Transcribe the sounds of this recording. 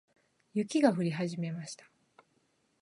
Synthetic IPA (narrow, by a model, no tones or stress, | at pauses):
jɯ̟kʲiɡaɸɯ̟ɾʲiɦaʑime̞maɕi̥t̪ḁ